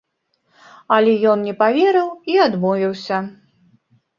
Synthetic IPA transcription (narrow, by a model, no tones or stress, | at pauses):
ɐlʲɛjɔnnʲɛpavʲɛɾɨwiad̪mɔvʲiwsʲɐ